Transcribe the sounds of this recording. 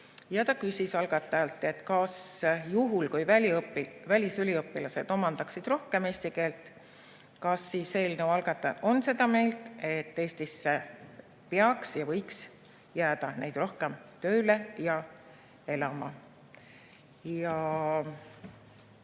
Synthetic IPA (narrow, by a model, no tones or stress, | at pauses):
jɑt̪ɑkysʲisɑlɡ̥ɑt̪ˑːɑɑlt̪ːˑe̞t̪ːˑkɑsjuɦulkujvælipːivælʲisylʲiɤpːˑilɑse̞d̪o̞mɑnd̪̥ɑksid̪̥ro̞hke̞meːst̪ike̞ːlt̪ˑ | kɑsːiːse̞lnewɑlɡ̥ɑt̪ːˑɑʔo̞nse̞d̪̥ɑme̞jlt̪e̞t̪ːe̞ːst̪isːe | peɑksjɑvɤjks | jæːd̪̥ɑnejd̪̥ro̞hkemt̪ø̞ːle̞jɑ | e̞lɑmɑ̰ | jɑ